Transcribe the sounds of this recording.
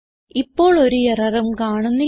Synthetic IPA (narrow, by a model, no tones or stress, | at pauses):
ipːo̞ːɭo̞ɾuerɐrɐmkaːɳunːi